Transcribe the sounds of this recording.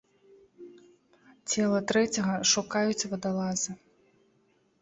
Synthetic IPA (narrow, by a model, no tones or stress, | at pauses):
t͡sʲɛlˠɐt̪ɾɛt͡sʲɐɣɐʂukajut͡sʲvɐd̪alˠazɨ